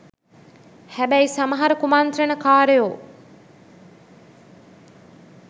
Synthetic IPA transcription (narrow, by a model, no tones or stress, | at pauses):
hæbæjsaməɦaɾəkumant̪ɾenəkaːɾejoː